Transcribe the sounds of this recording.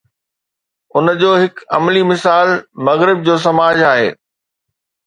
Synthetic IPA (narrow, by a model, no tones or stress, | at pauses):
ʊnd͡ʑoːɦɪkɐ̰mlimɪsaːlmɐɣɾɪb̚d͡ʑoːs̬ɐmaːd͡ʑaːɦḛː